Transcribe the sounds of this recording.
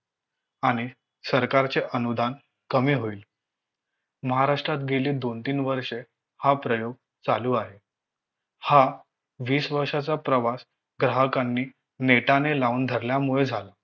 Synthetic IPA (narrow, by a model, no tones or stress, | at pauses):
aɽ̃i | səɾkaɾt͡seʔənud̪ʱan | kəmiːɦoiːl | məɦaɾaʂʈɾat̪ɡeliːd̪ont̪iːnʋəɾʂe | hapɾəjoɡ̚ | t͡saluːaɦe | ha | ʋiːsʋəɾʂat͡sapɾəʋas | ɡɾaɦəkanːiː | neʈanelauːnd̪ʱəɾljamuɭed͡zʱala